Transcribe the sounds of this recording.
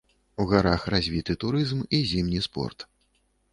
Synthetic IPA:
uɣaɾaxrazʲvʲit̪ɨt̪uɾɨzmizʲimnʲispɔ̰rt̪

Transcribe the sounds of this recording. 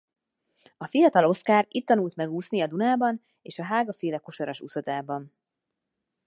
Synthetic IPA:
ɒfijɒt̪ɒlo̞skaːɾit̪ːɒnult̪mɛɡuːsniɒd̪unaːbɒn | eːʃɒɦaːɡɒfeːlɛkoʃoɾɒʃṵsɒt̪aːbɒn

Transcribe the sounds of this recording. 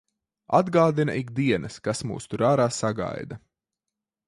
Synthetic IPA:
ad̪ɡaːd̪ina̰ʔiɡd̪iɛnʔɐskasmṵːst̪uɾaːɾaːsaɡa̰jd̪ɐ

